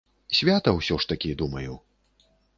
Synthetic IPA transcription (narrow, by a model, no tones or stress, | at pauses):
sʲvʲat̪ɐwsʲɔʂt̪ɐkʲid̪umɐjuw